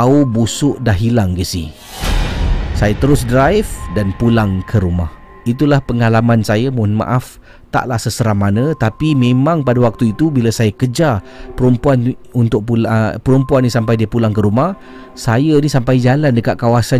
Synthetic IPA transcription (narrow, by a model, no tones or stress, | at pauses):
aubusʊʔdaɦilaŋɡisḭ | sajat̪əɾʊs̬dɾajfdanpulaŋkʰəɾumah | it̪̬ulahpəŋalamansajamunma̰ʔaf | t̪a̰ʔlahsəsəɾahmanə̃t̪apimẽmãŋpadawak̚t̪uit̪ubilasajakəd͡ʒa | pəɾumpuanunt̪ʊk̚pupəɾumpuannisampajdiəpulaŋkəɾumah | sajanisampajd͡ʒalandəkat̪̚kawasa